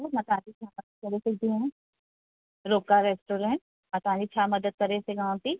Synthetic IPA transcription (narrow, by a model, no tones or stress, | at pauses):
omɐt̪aːd̪it͡ʃʰaːmɐd̪əd̪̚kɐɾesekd̪iẽɦɛ̃ | ɾoːkaɾeːsʈoːɾẽɳʈ̚ | mɐt̪ãːnit͡ʃʰaːmɐd̪əd̪̚kɐɾeseɡãːõt̪i